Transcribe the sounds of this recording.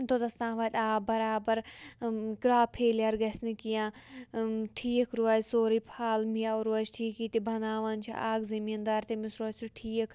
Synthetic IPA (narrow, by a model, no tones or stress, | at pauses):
t̪od̪ɐst̪ãːʋaːt̪aːbɐɾaːbɐɾ | kɾaːpʰeːljaɾɡɐsnikijãː | ʈʰiːkʰɾuaːd͡ʒsoːɾiːpʰaːlmijaːɾuɐt͡ʃʈʰiːkiːt̪ibʱɐnaːʋaːnt͡ʃʰḭʔaːɡzɐmiːnd̪aːɾt̪emɪsɾuaːt͡ʃʲuʈʰiːkʰ